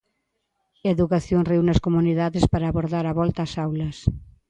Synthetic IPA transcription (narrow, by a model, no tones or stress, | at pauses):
eðukaθjoŋrewnɐskomuniðaðespaɾaːβoɾðaɾaβɔlt̪ɐːsawlɐs